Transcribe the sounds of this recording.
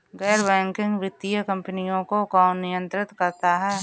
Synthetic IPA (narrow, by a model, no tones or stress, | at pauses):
ɡɛːɾbɛ̃ːŋkɪ̃ŋɡʋɪt̪ːijəkɐ̃mpənijõkokaːnːɪjə̃nt̪ɾɪt̪kɐɾt̪aɦɛː